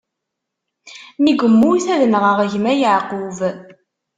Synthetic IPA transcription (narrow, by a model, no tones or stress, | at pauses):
niɡəmːuθæðənʁəʁəʝmæjəʕqʊv